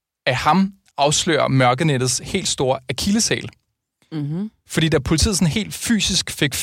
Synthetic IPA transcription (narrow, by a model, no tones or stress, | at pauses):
æhɑ̈m | ɑ̈ʊslø̰ːɐ̰mɶɐɡ̥əned̥ð̩ˠshe̝̰ːld̥sd̥o̝ːɐækʰiləsɛ̰ːl | fɒ̽d̥ḭːd̥æɐpʰo̝lit͡sʰḭð̰̩ˠsɒ̽nɦe̝̰ːld̥fy̰ːsisɡ̥fe̝ɡ̥